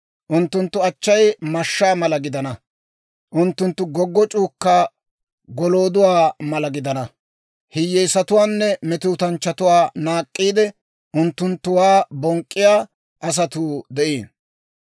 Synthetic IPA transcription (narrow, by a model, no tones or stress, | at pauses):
ʔʊnt̪ːʊnt̪ːʊɐt͡ʃːɐjmɐʃːaːmɐlɐɡɪd̪ɐnɐ | ʔʊnt̪ːʊnt̪ːʊɡɔɡːɔt͡ʃʼuːkːa | ɡɔloːd̪ʊwaːmɐlɐɡɪd̪ɐnɐ | hɪjːɛjsɐt̪ʊwaːnːɛmɛt̪uːt̪ɐnt͡ʃːɐt̪ʊwaːnaːkʼːiːd̪ɛ | ʔʊnt̪ːʊnt̪ːʊwaːbɔŋkʼːɪjaː | ʔɐs̬ɐt̪uːd̪ɛʔiːn